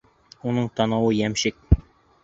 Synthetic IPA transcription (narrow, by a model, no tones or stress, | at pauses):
unɤɴt̪ɑnɑwɤjæmɕɘk̚